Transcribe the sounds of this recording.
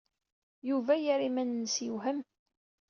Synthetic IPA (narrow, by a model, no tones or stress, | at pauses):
juvæjaɾimænːəsjuɦəm